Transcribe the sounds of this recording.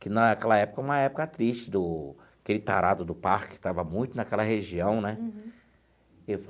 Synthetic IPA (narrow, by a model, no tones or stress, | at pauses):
kɪnɐkɛlɐɛpʊ̥kɐũmɐɛpʊkɐt̪ɾiʃt͡ʃɪd̪ʊ | akelɪt̪aɾad̪ʊd̪ʊpaɾkkɪ̥t̪avɐmũj̃t̪ʊnakɛlɐheʒiɐ̃w̃nɛ | ef